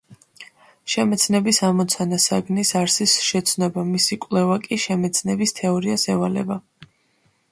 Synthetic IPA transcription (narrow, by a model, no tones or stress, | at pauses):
ʃɛmɛt̪sʰnɛbisamɔt̪sʰanasaɡnisaɾsisʃɛt̪sʰnɔbamisikʼwlɛvakʼiʃɛmɛt̪sʰnɛbist̪ʰɛɔɾiasɛvalɛ̰ba